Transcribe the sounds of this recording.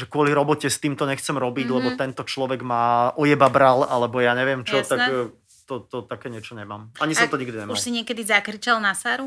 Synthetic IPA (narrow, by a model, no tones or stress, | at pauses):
ʒɛkʊɔliɾɔbɔcɛst̪iːmt̪ɔɲɛxt͡sɛmɾɔbiɟlɛbɔt̪ɛnt̪ɔt͡ʃlɔʋɛɡmaːʔɔjɛbabɾalalɛbɔjaːɲɛʋɪɛmt͡ʃɔt̪ak | t̪ɔt̪ɔt̪akɛːɲɪɛt͡ʃɔɲɛmaːmaɲisɔmt̪ɔɲiɡd̪iɲɛmuʃlsiɲɪɛkɛd̪izakɾit͡ʃalˠnasaːɾu